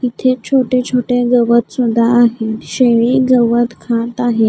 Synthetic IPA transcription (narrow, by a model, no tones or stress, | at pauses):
it̪ʰet͡ɕʰoʈet͡ɕʰoʈeɡəʋət̪sud̪ʱːaːɦeɕeɭeɡəʋət̪kʰãt̪aɦe